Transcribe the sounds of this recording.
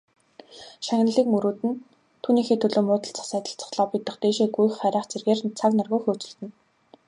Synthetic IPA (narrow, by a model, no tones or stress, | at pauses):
ʃaŋnə̆ɮiːk̚mɵɾuːt̪ɘ̆n | t̪ʰuːniːxeːt̪ʰɵɮoːmʊːt̪ə̆ɬt͡sḁ̆χsæːt̪ə̆ɬt͡sʰɔ̥χɮɔːpit̪ə̆χt̪eːʃeːɡujxχæɾʲaːχt͡serɣeːrt͡sʰaknarɣuːxʊːt͡sɵ̆ɮt̪ɘ̆n